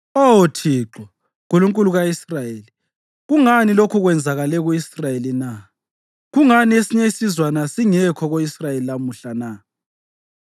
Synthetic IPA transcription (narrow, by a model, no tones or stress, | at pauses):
otʰiːǁɔ | ɣuluŋkʼuluɣaisrajeli | ɣuŋanilokʰuɣwɛnd͡zʱaɣalɛɣuisrajelina | ɣuŋaniesiɲesizwanasiŋɛkʰɔɣoisrajelilamuɬana